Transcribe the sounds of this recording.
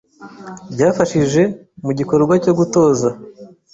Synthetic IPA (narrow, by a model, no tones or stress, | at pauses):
bɟaːfaʃiʒe̞ | muɟiko̞ɾɡwaco̞ɡuto̞ːza